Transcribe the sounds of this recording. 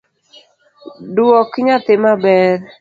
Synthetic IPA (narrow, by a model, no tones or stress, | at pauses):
dwɔkɲat̪ɪmabɛr